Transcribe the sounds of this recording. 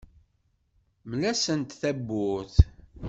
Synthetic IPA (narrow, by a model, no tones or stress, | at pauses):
mlæsənt̪θæbːʊθ